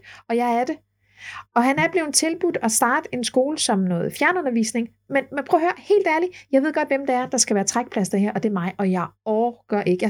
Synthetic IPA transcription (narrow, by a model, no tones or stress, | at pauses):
ɒ̽jɑ̈ɪæɐd̥e̝ | ɒ̽ɦhænæɐb̥le̝ʊn̩t͡sʰe̝lb̥ud̥ɒsd̥ɑ̈ːd̥e̝nsɡ̥o̝ːləsɒ̽mnɔ̽ːð̩ˠfjæɐnəɔ̽nɐʋḭːsne̝ŋ | menmpʰʁɔːhøːɐhe̝̰ːld̥æɐlijɑ̈ɪʋe̝ð̞̰ˠɡ̥ɒ̽d̥ʋemd̥ɑæɐd̥ɑ̈sɡ̥æʋæːɐt͡sʰʁaɡ̥̚pʰlæsd̥eɦeɐʔɒ̽d̥e̝æɐmɑ̈ɪʔɒ̽jɑ̈ɪɒɡ̥ɶɐʔe̝ɡ̥əj